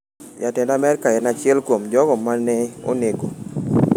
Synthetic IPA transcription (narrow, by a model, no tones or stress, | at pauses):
jatɪndamɛɾkaɛnat͡ʃɪɛlkwomd͡ʒɔɡɔmanːɛo̰neɡo